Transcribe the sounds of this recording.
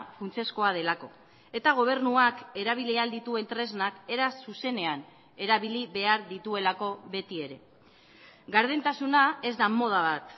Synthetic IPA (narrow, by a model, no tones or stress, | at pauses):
funt͡se̞sko̞að̞e̞lako̞ | e̞t̪aɣ̞o̞β̞e̞ɾnuake̞ɾaβ̞iliald̪it̪ue̞nt̪ɾe̞znake̞ɾassuse̞ne̞an | e̞ɾaβiliβe̞aɾðit̪ue̞lako̞βe̞t̪ie̞ɾe̞ | ɡaɾð̞ent̪asunae̞zd̪amo̞ð̞aβat̪